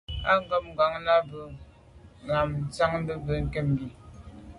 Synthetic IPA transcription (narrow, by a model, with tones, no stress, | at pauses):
a˦ŋ˦ɡɔ˦p̚ŋ̩˨ɡa˨˦ŋna˦bə˨ | ŋa˨mn̩˨˦t͡sa˦ŋm˦bə˦bə˨˦ŋ̩˦kɛ˦˨m˨bi˨